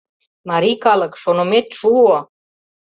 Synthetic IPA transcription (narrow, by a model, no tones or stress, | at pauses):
maɾikaləkʂonomet̪ʃua